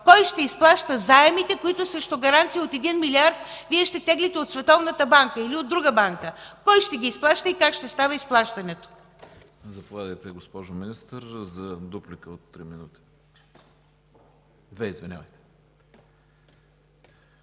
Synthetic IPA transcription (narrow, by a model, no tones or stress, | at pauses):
kɔjʃt̪ɛisplˠaʃt̪əzaɛmit̪ɛkoit̪ʊsɾɛʃt̪oɡɐɾant̪siot̪ɛd̪inmiliaɾt̪̚viɛʃt̪ɛt̪ɛɡlit̪ɛot̪svɛt̪ɔvnət̪əbaŋkəiliod̪ːɾuɡəbaŋkəkɔjʃt̪ɛɡʲiːsplˠaʃt̪əikakʃt̪ɛst̪avəisplˠaʃt̪ɐnɛt̪o̥ | zɐpovʲad̪əjt̪ɛɡospɔʒʊminist̪əɾzɐd̪uplikəot̪ːɾiminut̪i̥ | d̪vɛizvinʲa̰vəjt̪ɛ̥